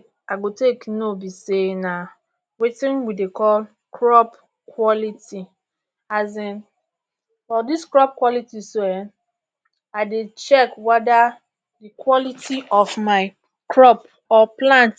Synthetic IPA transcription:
aɡoteknõbisenã | wetɪ̃nwidekʰɔl | kʰɾɔp | kʰwɔlitʰi | azɪ̃n | fɔdiskɾɔp̚kwɔlitisoɛ | aɪdɪt͡ʃɛkwɛda | dɪkʰwɔlitʰiʔɔfmaɪ | kʰɹɔp | ɔplãnt

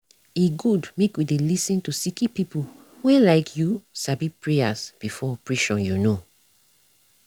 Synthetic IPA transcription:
eɡudmekwidelisĩntusikipipu | wɛ̃laɪkʰjusabipɹeasb̥ifɔpɹiʃɔ̃njuno

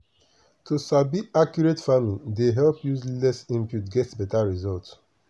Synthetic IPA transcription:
tʰusabiakjuɹetfamlideɦɛlpjuzlɛsĩmpjutɡɛtsbɛtaɹizɔlt

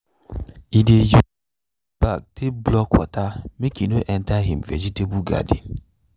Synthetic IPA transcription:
ideju | b̥ak̚teblɔkwɔ̰tamekinoʔɛn̩taɦim̩vɛ̰d͡ʒitebuɡa̰dḭn

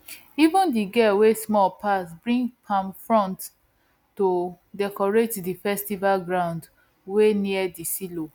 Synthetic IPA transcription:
ivũndiɡɛwesmɔpʰasbɹĩŋɡpʰãmfɹɔ̃nt | to | dɛkɔɹetdifɛstivalɡɹãʊ̃nd | weniɛdisilo

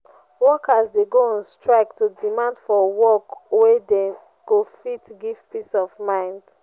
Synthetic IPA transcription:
wɔkazdeɡoɔ̃nstɹaɪktudimãndfɔwɔkwede | ɡ̥ofitɡiv̥pisɔvmãɪ̃nd̥

